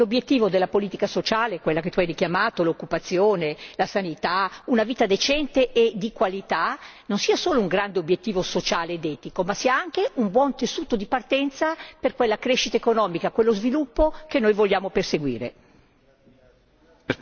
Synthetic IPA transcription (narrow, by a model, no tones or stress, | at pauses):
lobjet̪ːiːvod̪elːapoliːt̪ikasot͡ʃaːleɛkwelːaket̪uajrikjamaːt̪olokːupat̪sːjoːnelasanit̪aunaviːt̪ad̪et͡ʃɛnt̪eʔed̪ikwalit̪anonsiːasoːlouŋɡɾand̪eobjet̪ːiːvosot͡ʃaːleːd̪ɛːt̪ikomasiːaaŋk̟eumbwɔnt̪esuːt̪od̪ipart̪ɛnt̪saperkwelːakɾeʃːit̪aekonɔːmikakwelːozvilupːokenːojvoʎːaːmoperseɡwḭːɾḛ